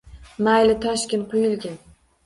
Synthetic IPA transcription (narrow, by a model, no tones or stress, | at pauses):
majlɪt̪ʰaʃkʲɪnqʰʊjɪlɡʲɪn